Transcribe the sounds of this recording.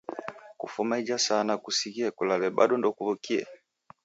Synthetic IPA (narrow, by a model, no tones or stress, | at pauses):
kufumaid͡ʒasanakusikiɛkulalɛɓa̰ɗɔndɔkuvukiɛ̰